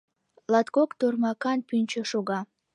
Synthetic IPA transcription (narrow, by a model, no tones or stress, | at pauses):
lɑt̪kokt̪ormɑkɑnpynʲt͡ɕəʃoɣɑ